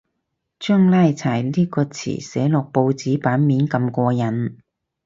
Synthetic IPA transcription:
t͡ʃœː˥ŋlaː˥jt͡sʰaː˨˩jliː˥kɔː˧t͡sʰḭː˨˩sɛ̰ː˨˥lʊ˨k̚po˧wt͡siː˨˥paː˨˥nmiː˨˥nkɐ˧mkʷɔː˧jɐ˨˥n

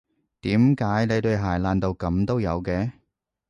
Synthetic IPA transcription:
t̪iː˨˥mkaː˨˥jne˨˧jt̪ɵ˧ɥɦaː˨˩jlaː˧nt̪o˧wkɐ˨˧mt̪o˥wjɐ̰˨˧wkɛː˧

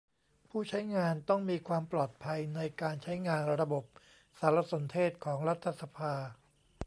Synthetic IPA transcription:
pʰuː˥˩t͡ɕʰa˦˥jŋaː˧nt̪ɔ˥˩ŋmiː˧kʰwaː˧mplɔː˨˩t̪̚pʰa˧jna˧jkaː˧nt͡ɕʰa˦˥jŋaː˧nɾa˧bo˨˩p̚ | saː˩˦ɾa˧˥so˩˦nt̪ʰeː˥˩t̪̚kʰɔː˩˦ŋɾa˦˥t̪ʰːa˧sa˧pʰaː˧

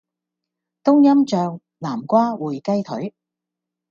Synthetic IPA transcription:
t̪ʊ˥ŋjɐ˥mt͡ʃœː˧ŋ | laː˨˩mkʷaː˥wuː˨˩jkɐ˥jt̪ʰɵ̰˨˥ɥ

